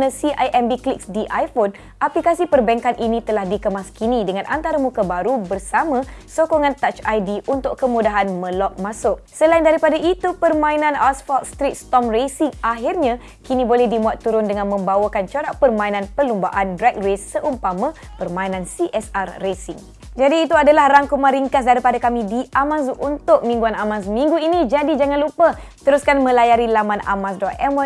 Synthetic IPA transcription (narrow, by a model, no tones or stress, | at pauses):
nə̃siʔajʔɛmbiklik̚sdiʔajfon | ʔaplikasipərbɛŋkanʔinĩt̪əlahdikəmaskinĩdəŋãnʔant̪aɾamũkabaɾubərsamãsokoŋãnt̪at͡ʃajdiʔunt̪ʊkkəmudaɦanmə̃lɔk̚masʊʔ̚səlaindaɾipadaʔit̪upərmãinãnasfalt̪̚st̪ɾit̪̚st̪ɔmresiŋʔaɦirɲã | kinibolɛhdimũat̪ːuɾʊndəŋãnmə̃mbawakant͡ʃoɾaʔpərmãinãnpəlumbaʔandɾɛk̚resːəʔumpamã | pərmãinãnsiʔɛsarːesiŋ | d͡ʒadiːt̪̬uadalahraŋkumãɾiŋkas̬daɾipadakamĩdiamãzuʔunt̪ʊk̚mĩŋɡuanamãs̬mĩŋɡuinid͡ʒadid͡ʒaŋãnlupə | t̪əɾuskanmə̃lajaɾilamãna̰mãsdɔt̪ɛmwa